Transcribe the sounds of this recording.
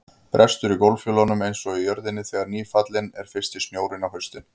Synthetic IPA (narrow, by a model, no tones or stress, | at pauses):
pɾʔɛst̪ʏɾikowlfjʏːlɔnʏmejnsɔijœɾðɪnːɪθɛːɣaɾniːfat̪lɪnɛ̰ɾ̥fɪr̥st̪ɪsnjoːwɾɪnawhœɥst̪ɪn